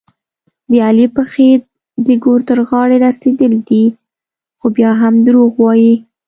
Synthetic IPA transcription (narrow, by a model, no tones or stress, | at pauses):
d̪əalipəxe | d̪əɡoɾt̪əɾɣɑɽeɾased̪əld̪i | xobjɑɦamd̪ɾoɣwɑji